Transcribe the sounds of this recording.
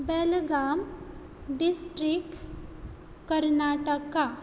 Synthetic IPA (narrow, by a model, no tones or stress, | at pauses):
belɡam | ɖisʈɾik | kəɾnaʈəka